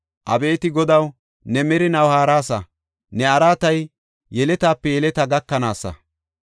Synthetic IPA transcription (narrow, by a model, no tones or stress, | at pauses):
ʔɐbeːt̪ɪɡɔd̪ɐw | nɛmɛɾɪnɐwhaːɾaːsɐ̰ | nɛɐɾaːt̪ɐj | jɛlɛt̪aːpːɛjɛlɛt̪ɐɡɐkːɐnaːsːɐ̰